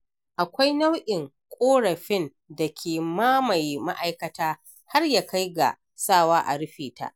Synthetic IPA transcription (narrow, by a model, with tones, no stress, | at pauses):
ʔa˨kʷa˦jna˦wʔʲɪ˨ŋ | kʷʼoː˦ɽɐ˨ɸɪ˦n | dɐ˨kʲʰeː˨maː˦ma˨jma̰˦ʔa˨jkɐ˨taː˦ | ha˦rjaː˨ka˦jɡa̰˨ | saː˦˨waː˦ʔa̰˨ɽɪ˦ɸeː˨ta̰˦˨ʔ